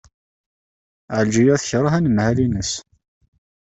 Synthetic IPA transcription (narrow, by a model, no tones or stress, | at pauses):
ʕəld͡ʒijæθçɾˤɑɦænəmhælinəs